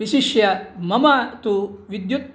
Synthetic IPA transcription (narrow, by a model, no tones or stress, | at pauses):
iʃiʃjɐmɐmaːt̪uʋid̪ju